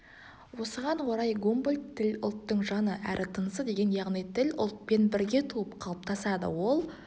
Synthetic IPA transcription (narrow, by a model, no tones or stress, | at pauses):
wo̞səʁɑnwoɾɑjɡombəl̚ʲt̪ʰːɪlʲʊ̰lˠt̪ːəɴʒɑnəʔæɾʔɪt̪ʰənəsəd̪e̞ɡʲe̞njɑʁnijt̪ʰɪlʲʊ̰lˠt̪̚pe̞nbɪɾɡʲe̞t̪ʰuəpqʰɑlˠəp̚t̪ʰɑsɑd̪ə̰wo̞lˠ